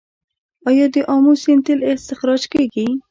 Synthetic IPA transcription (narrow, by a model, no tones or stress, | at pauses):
ɑjɑd̪əʔɑmusent̪ɪlest̪ɪxɾɑd͡ʒkeɡi